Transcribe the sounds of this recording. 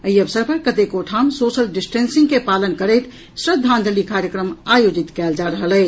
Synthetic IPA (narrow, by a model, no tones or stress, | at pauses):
əiəbsəɾpəɾkət̪ekoʈʰamsosəlɖisʈensĩŋɡkepalənkəɾɛjt̪ | sɾəd̪ʱːãnd͡ʒ̪ʱəlikaɾjəkɾəmajod͡ʒit̪kɛld͡ʒaɾəɦəlɛ